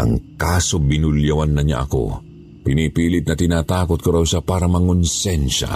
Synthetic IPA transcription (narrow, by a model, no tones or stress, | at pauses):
ʔɐ̰ŋkaːsobɪnʊljɐwanːɐɲa̰ʔɐ̰ko̰ | pɪniːpiːlɪt̪̚nɐt̪ɪnaːt̪aːkot̪̚koɾawʃapaːɾɐmɐŋʊnsɛnʃa̰